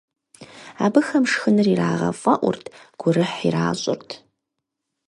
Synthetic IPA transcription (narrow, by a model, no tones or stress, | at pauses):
aːbɨxɐmʂxɨnɨriraːʁɐ̰fʼɐʔʷʊ̰rtʰɡ̥ʷʊrɨħiraːɕʼʊ̰rtʰ